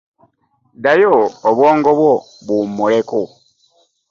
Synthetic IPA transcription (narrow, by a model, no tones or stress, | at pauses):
dajoːβwoːŋɡoβwo | βumːuleku